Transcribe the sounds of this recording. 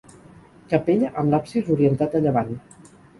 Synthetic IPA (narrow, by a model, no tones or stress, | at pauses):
kəpeʎaʔəmlapsizuɾiənt̪at̪əʎəβan